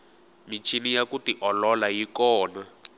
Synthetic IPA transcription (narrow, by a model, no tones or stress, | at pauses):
mit͡ʃʰinijakutiʔɔlɔlajikɔːna